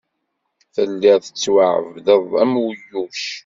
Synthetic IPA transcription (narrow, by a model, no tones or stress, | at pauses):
θəlːæθə̥t͡sːwaʕə̰vðəðˤæmwəjːuʃ